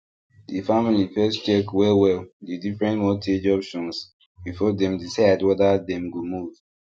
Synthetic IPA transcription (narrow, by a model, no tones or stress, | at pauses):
difamilifɛst͡ʃɛkwɛlwɛldidifɹɛ̃ntmɔtʰed͡ʒɔpʃɔ̃ns | bifɔdɛ̃mdisaɪdwɛdədɛ̃mɡomuv̥